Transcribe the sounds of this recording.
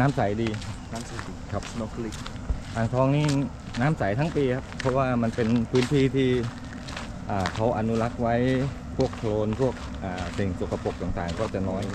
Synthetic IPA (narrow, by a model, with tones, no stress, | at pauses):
naː˦˥msa˩˦jdiː˧naː˦˥msa˨˦i˨˩kʰa˦˥p̚no˧˥kʰli˦˩k̚ | ʔaː˨˩ŋsʰɔː˧˥ŋniː˥˩ | naː˦˥msa˨˩˦jt̪ʰa˦˥ŋpiː˧kʰa˦˥p̚pʰːɔ˦˥waː˥˩ma˧npe˧npʰɯː˦˥nt̪ʰiː˥˩t̪ʰiː˥˩ | ʔaː˨˩kʰa˦˥wʔa˧nu˦˥la˦˥k̚wa˦˥j | pʰu˥˩əkkʰloː˧npʰu˥˩ək̚ʔaː˨˩se˨˩ŋso˨˩kʰa˧po˨˩k̚t̪aː˨˩ŋt̪aː˨˩ŋkɔː˥˩t͡ɕa˨˩nɔː˦˥j